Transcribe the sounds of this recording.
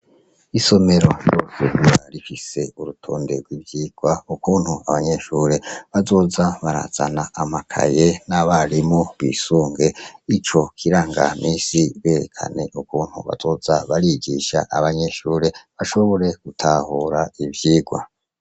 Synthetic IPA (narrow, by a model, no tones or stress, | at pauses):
iso̞me̞ɾo̞josuhuɾaɾifise̞uɾutʰoːndeɡwibjiːɡ̥waukuːn̥huaβaɲe̞ʃuːɾe̞βazo̞ːzaβaɾa̰z̥a̰naːmakʰa̰je̞naβaɾimoβisuːŋɡe̞it͡ʃo̞kʰiɾaːŋɡa̰mʔiːsiβe̞ɾḛkʰa̰ne̞ʔukuːn̥hṵβa̰z̥o̞ːzaβaɾiɟiːʃa̰ʔaβaɲe̞ʃuːɾe̞βaʃo̞βo̞ɾe̞ɡ̥utʰaːhuɾaivjiːɡwa̰